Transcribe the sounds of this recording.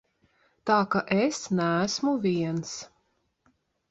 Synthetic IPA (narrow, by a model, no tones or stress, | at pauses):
t̪aːkaʔesnæːsmuvʲiɛns